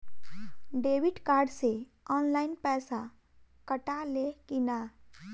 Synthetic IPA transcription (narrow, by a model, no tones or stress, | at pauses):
ɖeːwɪʈkaːɾɖse | ɔːnlaːɪnpɛːsa | kəʈalekinaː